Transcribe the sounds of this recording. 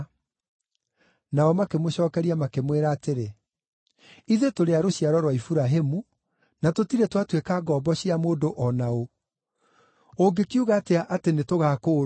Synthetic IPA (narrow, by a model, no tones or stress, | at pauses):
naɔmakemoɕɔːkɛɾiamakemweɾaːteɾe | iðetoɾeaɾoɕiaɾɔɾwaifuɾaɦemu | natotiɾɛtwatwekaɡɔbɔɕiamoːdoʔɔnao | oɡekiuɣaːteaʔatenetoɣaːkoː